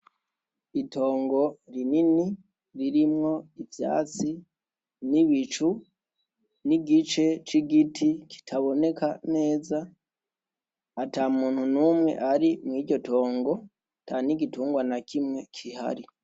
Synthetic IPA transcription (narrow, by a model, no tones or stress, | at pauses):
itʰo̞ːŋɡo̞ɾinini | ɾiɾimŋo̞ivja̰ːt͡si | niβit͡ʃu | niɡit͡ʃe̞t͡ʃiɡitʰikʰi̥tʰaβo̞ne̞kane̞ːza | ataːmuːn̥hunuːmŋe̞̰ʔaɾimŋiːɟo̞tʰo̞ːŋɡo̞ | tʰaːniɡituːŋɡwanakʰimŋe̞kʰiha̰ɾi